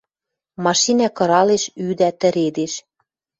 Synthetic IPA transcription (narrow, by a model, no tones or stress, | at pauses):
mɑʃinækɤ̆ɾɑleʃyd̪æt̪ə̆ɾed̪eʃ